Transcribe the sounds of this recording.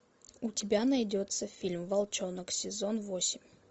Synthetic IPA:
ʊtʲɪbʲanɐjdʲot̪səfʲilʲmvɐlˠt͡ɕonəksʲɪzonvosʲɪmʲ

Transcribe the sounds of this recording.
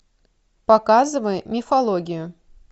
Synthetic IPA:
pɐkazɨvəjmʲɪfɐlˠoɡʲɪjʊ

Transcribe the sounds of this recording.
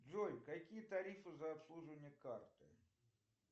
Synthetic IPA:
d͡zʲɔjkakʲijɐt̪aɾʲifɨzɐːpslˠuʐɨnʲːɛkart̪ɨ

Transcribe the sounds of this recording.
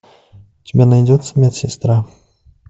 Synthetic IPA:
tʲɪbʲɛnajdʲɔt̪sːəmʲat̪sʲɪst̪ɾa

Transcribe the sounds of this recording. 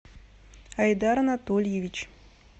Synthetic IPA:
ɐjd̪aɾɐnat̪olʲjevʲit͡ɕ

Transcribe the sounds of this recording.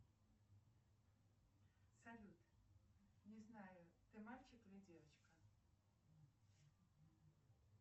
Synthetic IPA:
sɐlʲut̪ | nʲɪznajʊt̪ɨmalʲt͡ɕɪklʲɪdʲevət͡ɕkə

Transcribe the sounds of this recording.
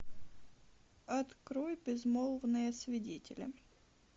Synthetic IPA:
ɐt̪kɾojbʲɪzmolˠvnɨjəsvʲɪdʲetʲɪlʲɪ̰

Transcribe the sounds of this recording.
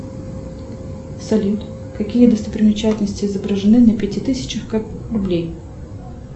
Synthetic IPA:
sɐlʲit̪ | kɐkʲijəd̪əst̪əpɾʲɪmʲɪt͡ɕætʲɪlʲnəsʲtʲɪɪzəbɾəʐɨnɨnlʲəpʲɪtʲit̪ɨsʲɪ̥t͡ɕɪxkarʊblʲej

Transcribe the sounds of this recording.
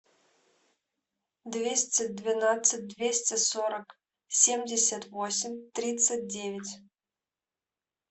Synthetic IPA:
d̪vʲesʲt̪ʲət̚ʲd̪vʲinat̪sɨt̚ʲd̪vʲesʲtʲesoɾək | sʲemʲdʲesʲat̪vosʲɪmʲt̪ɾʲit̪sɨt̚ʲdʲevʲɪtʲ

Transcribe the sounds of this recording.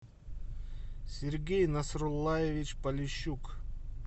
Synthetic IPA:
sʲeɾɡʲejnasrolˠːajevʲit͡ɕpalʲɪɕːuk

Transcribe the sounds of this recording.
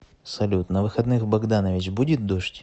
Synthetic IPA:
sɐlʲut̪nɐvɨxɐd̪nɨxbɐɡd̪anəvʲɪt͡ɕbudʲɪt̪̚d̪oʂtʲ

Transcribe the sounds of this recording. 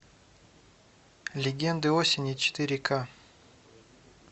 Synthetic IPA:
lʲɪɡʲend̪ɨosʲɪnʲit͡ʃɪ̥t̪iɾʲɪkʰa

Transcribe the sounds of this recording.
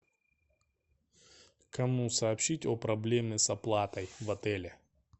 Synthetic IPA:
kɐmusɐːpɕʲitʲopɾɐblʲemʲɪsɐplˠat̪ɐjvɐt̪ɛlʲɛ

